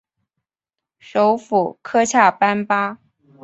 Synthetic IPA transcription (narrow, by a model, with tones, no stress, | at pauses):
ʂo˧˥ʊfu˨˩kʰɤ˥t͡ɕʰja˥˩pa˥npa˥